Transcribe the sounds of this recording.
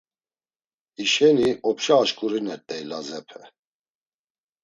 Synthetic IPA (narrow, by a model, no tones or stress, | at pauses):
iʃɛniɔpʰʃaːʃkʼuɾinɛɾt̪ʼɛilazɛpʰɛ